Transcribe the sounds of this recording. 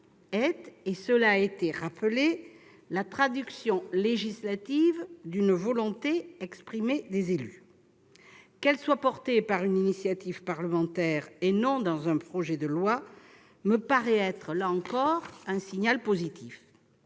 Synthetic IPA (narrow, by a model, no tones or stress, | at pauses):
ɛt̪esəlaet̪eʁapəle | lat̪χad̪yksjɔ̃leʒislat̪ivd̪ynvɔlɔ̃t̪eɛkspχimed̪ezely | kɛlswapɔʁt̪epaʁyninisjat̪ivpaʁləmɑ̃t̪ɛʁenɔ̃d̪ɑ̃zɛ̃pχɔʒɛd̪əlwa | məpaʁɛɛt̪χəlaɑ̃kɔʁɛ̃siɲalpozit̪ʰif